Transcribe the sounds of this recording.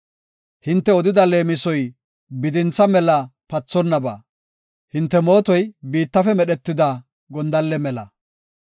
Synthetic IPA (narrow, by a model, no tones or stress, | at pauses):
hɪnt̪ːɛɔd̪ɪd̪ɐle̞ːmɪsɔj | bɪd̪ɪnt͡sːɐmɛlɐpɐt͡sːɔnːɐba̰ː | hɪnt̪ːɛmo̞ːt̪ɔjbiːt̪ːɐfɛmɛɗɛt̪ːɪd̪ɐ | ɡɔnd̪ɐlːɛmɛlɐ